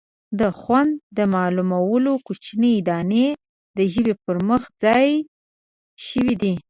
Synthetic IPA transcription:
d̪əxwand̪ːəmɑlumawəlokut͡ʃnəːd̪ɑne | d̪əʒəbepəɾməxd͡zɑj | ʃəwid̪i

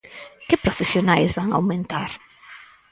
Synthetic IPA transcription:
kɪpɾofesjonajzβaŋa̰wmẽnt̪aɾ

